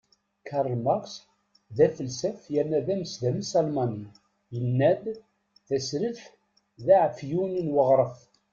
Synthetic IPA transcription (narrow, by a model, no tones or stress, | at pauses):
kʰɑɾˤlmɑʁs | ðæfəlsæfjænːæðæməsðæməsɑlmɑni | jənːæd̪ | θæsɾəθ | ðæʕfjuninwəʁɾˤəf